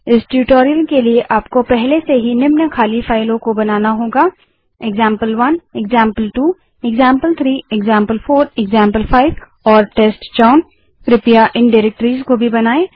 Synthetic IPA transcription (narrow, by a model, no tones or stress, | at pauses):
ɪsʈjuːʈoːɾijəlkelieʔaːpkopɛɦleseɦinɪmnəkʰaːlifaːɪlõkobɐnaːnaɦõːɡaː | eɡzãːmpəlʋɐnɛɡzãːmpəlʈuː | ɪɡzãːmpəlt̪ʰɾiːɛɡzãːmpəlfoːɾɛɡzãːmpəlfaːɪʋ | ɔːɾʈeːsʈt͡ʃaʊn | pɾɪpijaʔɪ̃nɖɪːɾɛk̚ʈəɾiːzkobʱibɐnaːeː